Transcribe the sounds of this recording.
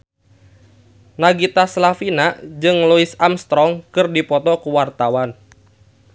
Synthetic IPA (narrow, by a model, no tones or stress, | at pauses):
naɡit̪aslafinad͡ʒɨŋluisamst̪ɾɔŋkɨrdipɔt̪ɔkuwart̪awan